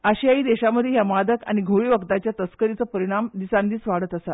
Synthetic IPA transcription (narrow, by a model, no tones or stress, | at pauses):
əɕiaiːd̪eɕaməd̪ʱjeɦjamad̪əka̰ɽ̃iɡʱoɭiːʋəkt̪at͡ɕjat̪əskəɾit͡səːpəɾiɽ̃amd̪isand̪iːsʋaɽət̪əsat̪